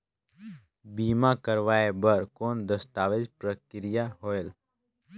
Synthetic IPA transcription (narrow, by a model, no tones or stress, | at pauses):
biːmãkəɾʋaːebəɾkoːnd̪əst̪aːʋed͡ʒpɾəkɪɾɪjaɦoːel